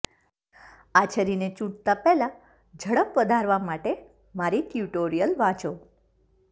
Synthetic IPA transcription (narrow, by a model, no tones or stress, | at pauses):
at͡ʃʰəɾinet͡ʃũʈ̚t̪apɛɦla | d͡ʒʱəɽəpʋəd̪ʱaɾʋamaʈe | maɾit̪juʈoɾijəlʋãt͡ʃo